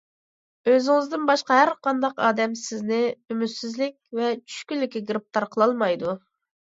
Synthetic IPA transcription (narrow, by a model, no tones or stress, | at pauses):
øzɪŋɪzd̪ɪnbɑʃqɑɦæɾqʰɑnd̪ɑqɑ̰ːd̪ɛmsɪznɪymyt̪sɪzlɪkʲvɛt͡ʃʰy̥ʃkʲylːɪkʲiɡɾup̚t̪ɑɾqʰəlˠɑlˠmɑjd̪u